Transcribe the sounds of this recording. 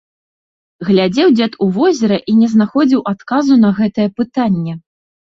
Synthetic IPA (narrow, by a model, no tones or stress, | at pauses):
ɣlʲad͡zʲɛwd͡zʲɛt̪uvɔzʲɛɾɐʔinʲɛznaxɔd͡zʲiwʔat̪kazunɐɣɛt̪ɐjɛpɨt̪anʲːɛ